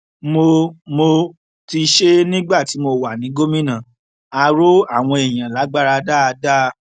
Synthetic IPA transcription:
mo˧mo˧ | ti˧ʃe˦nĩ˦ɡ͡ba˦˨ti˨˦mo˧wa˨nĩ˨˦ɡo˦mĩ˦nã˦˨ | a˧ɾo˦a̰˦˨w̃ɔ̃˧e˨j̃ã˨la˨˦ɡ͡ba˦ɾa˧da˦˧da˦˧

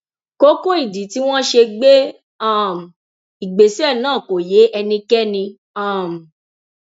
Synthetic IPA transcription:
ko˦kõ˦i˦˨di˨˦ti˨˦w̃ɔ̃˦ʃe˧ɡ͡be˦ | ã˦˨m̩˨ | i˨ɡ͡be˨si˦ɛ˦˨nãː˦˨ko˨je˨˦ʔɛ˧nĩ˧kɛ˦nĩ˧ | ã˦˨m̩˨

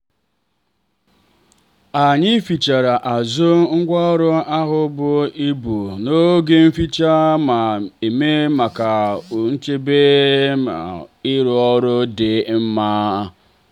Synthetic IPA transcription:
a˨ɲɪ˦fi˨t͡ʃa˨ɾa˨ʔa˨zʊ˦ŋ̩˦ɡʷɔ˦ɾʊ˦a˦ɦʊ˦bʊ˦i˦bu˨no˦ɡe˦m̩˦fi˦t͡ʃa˦ma˨e˨me˦ma˨ka˨ʊ˨n̩˦t͡ʃe˦be˦ma̰˨ɪ˦ɾʊ˦ɔ˦ɾʊ˦dɪ˨m̩˦maː˦

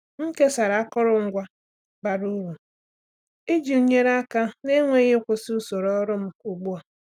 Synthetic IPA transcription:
ŋ̩˦ke˦sa˨ɾa˨a˦kʊ˦ɾʊ˦ŋ̩˦ɡʷa˦ | ba˨ɾu˦ɾu˨ | i˦d͡ʒi˨u˨ɲe˦ɾa˦ka˦ne˦ŋʷe˦ɣe˦kʷʊ˨su˦so˨ɾɔ˦ɾʊ˦m̩˦u˨ɡ͡bu˦a˨

